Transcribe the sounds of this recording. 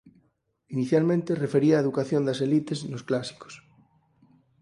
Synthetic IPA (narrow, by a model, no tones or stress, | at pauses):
iniθjalmẽnt̪erefeɾiaːeðukaθjond̪ase̞lit̪eznosklasi̥ko̥s